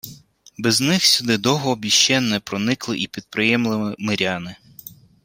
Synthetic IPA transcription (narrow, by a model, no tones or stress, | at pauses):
bɛznɪxsʲʊd̪ɪd̪ɔɦɔːbʲiʃt͡ʃɛnːɛpɾɔnɪklˠɪʔipʲid̪̚pɾɪjɛmlˠɪmɪmɪɾʲɑnɪ